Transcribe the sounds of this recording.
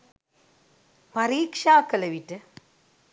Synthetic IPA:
pɐɾiːkʂaːkːɐlɐʋitːɨ

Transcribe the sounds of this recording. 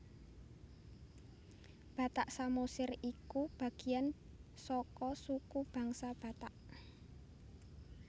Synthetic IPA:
b̥a̤t̪aʔsamosɪrikub̥a̤ɡ̥i̤jan | sɔkɔsukub̥a̤ŋsab̥a̤t̪aʔ

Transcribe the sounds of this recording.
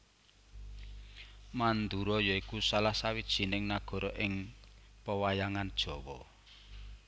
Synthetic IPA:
mand̪uɾɔjɔikusalahsawid̥ʒ̥i̤nɪŋnaɡ̥ɔ̤ɾɔʔɪŋ | pəwajaŋand̥ʒ̥ɔ̤wɔ

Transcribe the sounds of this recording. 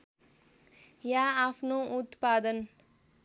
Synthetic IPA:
jaːpʰnout̪pad̪ən

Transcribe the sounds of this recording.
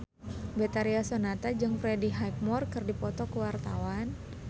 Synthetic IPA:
bɛt̪aɾiasonat̪ad͡ʒɨŋfɾɛdiɦajk̚mɔrkɨrdipɔt̪ɔkəwart̪awan

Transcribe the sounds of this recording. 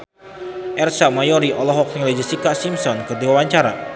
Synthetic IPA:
ʔɛrsamajɔɾiʔɔlɔɦɔk̚niled͡ʒisikaʔsimsɔnkɨrdiwawaɲt͡ʃaɾa̰

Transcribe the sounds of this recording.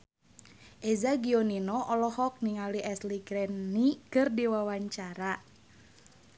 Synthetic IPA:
ʔezaɡioninɔʔɔlɔhɔk̚niŋaliʔɛsliɡɾɛnːikɨrdiwawaɲt͡ʃaɾa

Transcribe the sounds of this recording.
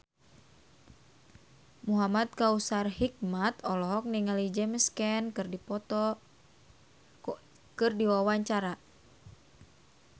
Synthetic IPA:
muɦamat̪̚kausarhik̚mat̪ɔlɔɦɔk̚niŋalid͡ʒɛməskɛnkɨrdipɔt̪ɔ | kɨrdiwawaɲt͡ʃaɾa

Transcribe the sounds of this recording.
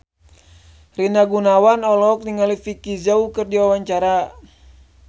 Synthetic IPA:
rinaɡunawanɔlɔk̚niŋalifikizaukɨrdiwawaɲt͡ʃaɾa

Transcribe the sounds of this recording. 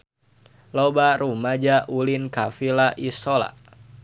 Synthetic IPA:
lobaɾumad͡ʒaʔulinkafilaʔisola̰

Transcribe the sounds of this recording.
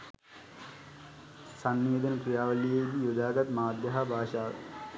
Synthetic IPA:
sanːiːd̪ənəkɾijaːʋəlijejd̪ijod̪aːɡ̪at̪maːd̪jɐɦabʱaːʃaːʋə̰

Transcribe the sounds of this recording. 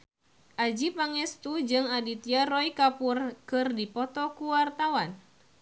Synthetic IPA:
ʔad͡ʒipaŋɛst̪ud͡ʒɨŋadit̪iarɔikapurkɨrdipɔt̪ɔkuwart̪awan

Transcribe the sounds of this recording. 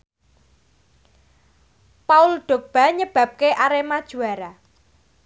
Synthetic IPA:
paʊlɖ̥o̤k̚b̥a̤ɲəb̥a̤p̚keʔaɾemad̥ʒ̥ṳaɾa

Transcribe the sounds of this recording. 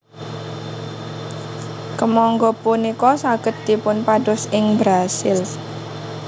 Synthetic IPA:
kəmɔŋɡɔpunikɔsaɡ̥ət̪̚d̪̥ipʊnpaɖʊsɪŋbɾasɪl

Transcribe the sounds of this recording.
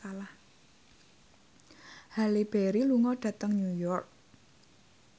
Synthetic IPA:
alah | halib̥eɾiluŋɔɖ̥ä̤t̪əŋɲujɔrk̚

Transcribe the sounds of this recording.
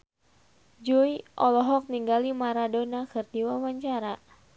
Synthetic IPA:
d͡ʒuiʔɔlɔɦɔk̚niŋɡalimaɾadonakɨrdiwawaɲt͡ʃaɾa

